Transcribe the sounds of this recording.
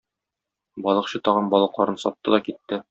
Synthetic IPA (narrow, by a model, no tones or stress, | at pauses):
bɒlˠɤ̆qɕɤt̪ɒʁɤnbɒlˠɤ̆qlˠɑɾɤnsɒp̚t̪ːɤd̪ɒkit̪ːɘ